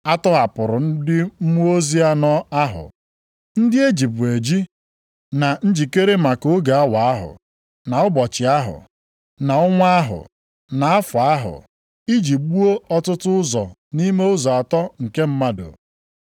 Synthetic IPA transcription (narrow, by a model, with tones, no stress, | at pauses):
a˦tɔ˦ɦa˨pʊ˨ɾʊ˨n̩˦dɪ˦m̩˦mu˦o˦zi˦a˦nɔ˦a˦ɦʊ̰˨ | n̩˦dɪ˦e˦d͡ʒi˨pe˨d͡ʒi˦ | na˨n̩˦d͡ʒi˨ke˦ɾe˦ma˨ko˨˦ɡa˨a˦wa˨a˦ɦʊ̰˨ | na˨ʊ˦bɔ˨t͡ʃɪ˨a˦ɦʊ̰˨ | na˨ʊ˦ŋʷa˦a˦ɦʊ̰˨ | na˨a˦fʊ˨a˦ɦʊ̰˨ | i˦d͡ʒi˨p̚ɡ͡bu˦o˦ɔ˦tʊ˦tʊ˦ʊ˦zɔ˨ni˦me˦ʊ˦zɔ˨a˨tɔ˦ŋ̩˨ke˦m̩˦ma˦do̰˨